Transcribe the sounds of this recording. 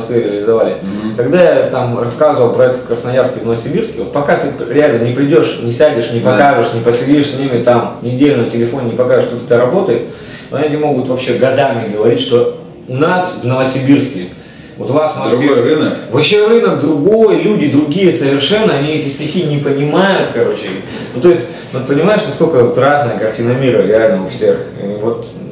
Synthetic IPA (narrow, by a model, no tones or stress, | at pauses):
ɐskvʲeɾʲɪəlʲɪzɐvalʲɪkɐɡd̪ajat̪amrɐskazɨvəlˠpɾɐɛt̪kɾəsnɐjarskʲɪvnəvəsʲɪbʲirskʲɪvot̪pɐkat̪ɨɾʲɪalʲnənʲɪpɾʲɪdʲo̞ʂnʲɪsʲædʲɪʂnʲɪpɐkaʐɨʂnʲɪpəsʲɪdʲiʂsʲnʲimʲɪt̪amnʲɪdʲelʲnəjətʲɪlʲɪfonʲnʲɪpɐkaʐɨʂt̪ot̪ʲɪd̪aɾɐbo̞t̪əjɪt̪̚ | oet̪ʲɪmo̞ɡʊt̪vɐpɕːe̞ɡɐd̪amʲɪɡəvɐɾʲitʲʂt̪o̞ | ʊnasvnəvəsʲɪbʲirskʲɪj | vo̞t̪ʊvasd̪ɾʊɡɨnəvɐɕːevɨnəd̪ɾʊɡo̞jəlʲudʲɪd̪ɾʊɡʲijəsəvʲɪrʂɛnːəɐnʲiɛtʲɪsʲtʲɪxʲinʲɪpənʲɪmajʊt̪kɐɾo̞t͡ɕɪ | nut̪oɪsʲt̚ʲ | vot̪pənʲɪmajɪʂnɐskolʲkəvot̪raznɨjəɡɐrtʲɪnɐmʲiɾəɾʲɪalʲnəʊfsʲe̞xḭvo̞t̪